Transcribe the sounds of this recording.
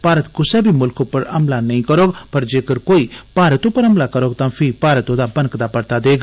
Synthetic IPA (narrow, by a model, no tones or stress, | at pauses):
paːɾət̪kʊsɛbʱimʊlkopɐɾɐ̰mlanɐĩkəɾoːɡpɐɾd͡ʒeːkəɾkoːipaːɾət̪õpɐɾɐmlakəɾoːɡt̪ãːpʰɪpaːɾət̪õd̪abɐnkd̪aːpɐɾt̪aːd̪eːɡ